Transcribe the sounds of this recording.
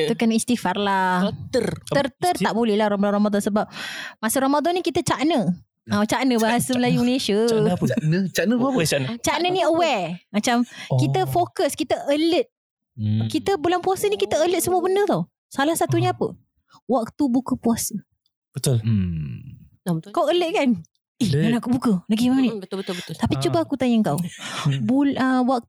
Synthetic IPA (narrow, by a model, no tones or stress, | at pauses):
t̪ukanist̪ifarlat̪ərərt̪əraʔbolɛhlahrmblaɾromad̪ɔnsəbap̚masəɾomad̪ɔnːikit̪ət͡ʃaʔnə | ãt͡ʃaʔnəbaɦasəməlajuməlesəəanət͡ʃanət͡ʃanət͡ʃanəniəwɛmat͡ʃamkit̪əfokəskit̪əʔələt̪̚ | kit̪əbulanpuasənikit̪əələt̪̚səmuəbənət̪aw | salahsat̪uɲəapə̰ | wak̚t̪ubukəpuasə | b̥ət̪ʊl | kawələt̪̚kan | ijanakubukəlaɡimamniət̪apit͡ʃubəakut̪aɲəŋkawbuləwak̚